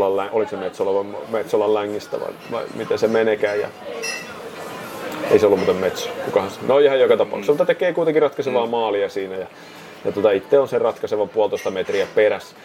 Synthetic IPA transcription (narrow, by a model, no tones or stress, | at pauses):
lːɑllæʔoliksemet̪soleʋɑmmet̪solːɑllæŋːist̪æ̰ʋɑ̰iʋɑ̰imit̪esemenekæːjjɑ̰ | ḛiseolːumuːt̪emmet̪sø̥kukɑhɑnsnojehɑjjokɑt̪ɑpɑ̰uksemut̪ːɑt̪ekeːkuit̪eŋkirɑt̪kɑseʋɑːmɑːliɑsiːnæjɑ | jɑt̪ot̪ɑit̪ːeonserrɑt̪kɑseʋɑmpuɑlt̪oˑist̪ɑmet̪riæperæs